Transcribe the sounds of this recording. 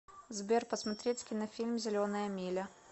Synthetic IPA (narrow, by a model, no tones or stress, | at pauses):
zbʲerpəsmɐt̪ɾʲet͡sʲkʲinɐfʲilʲmzʲɪlʲonəjəmʲilʲə